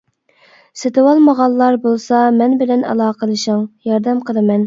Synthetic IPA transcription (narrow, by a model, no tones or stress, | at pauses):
set̪ɨwɑlˠmɑʁɑlˠːɑɾbolˠsɑmɛnbɪlɛnɑ̰lˠɑːqəd̪ɨʃɑŋjɑɾd̪ɛmqʰəlˠɨmɛn